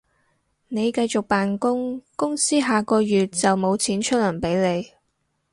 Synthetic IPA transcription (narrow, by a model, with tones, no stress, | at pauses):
ne˨˧jkɐ˧jt͡sʊ˨k̚paː˨nkʊ˥ŋkʊ˥ŋsiː˥ɦaː˨kɔː˧jyː˨t̚t͡sɐ˨wmo˨˧wt͡sʰiː˨˥nt͡ʃʰɵ˥lɐ˨˩ŋpe˨˥jle˨˧j